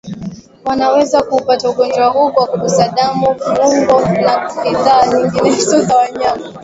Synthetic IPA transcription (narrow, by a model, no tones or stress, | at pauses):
wanawɛzakuːpatauɡɔnd͡ʒɔahukwakuɗusaɗamuuŋɡɔnakiðaːɲiŋɡinsɔzawaɲama